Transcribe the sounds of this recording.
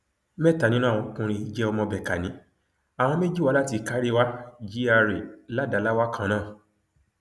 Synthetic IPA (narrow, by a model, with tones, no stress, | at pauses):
mɛ˦˨ta˨nĩ˦nã˦˨ɔ̃˧˦kũ˧ɾ̃ĩ˧i˦d͡ʒɛ˦ɔ˧mɔ̃˧bɛ˨ka˨nĩ˨˦ | a˨w̃ɔ̃˧me˦d͡ʒi˦˨wa˦la˦ti˧ka˨˦ɾi˦wa˦d͡ʒi˦a˧ɾe˨la˦da˨˦la˦wa˦kʰã˦˧˦nãː˦˨